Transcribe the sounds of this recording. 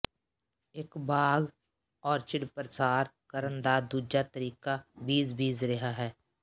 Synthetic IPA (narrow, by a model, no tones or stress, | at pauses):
eːkbaːɡ | ɔːɾt͡ʃɪɽpɾəsaːɾkəɾənd̪ad̪uːd͡ʒat̪əɾiːkabiːzbiːzɾeɦaɦɛː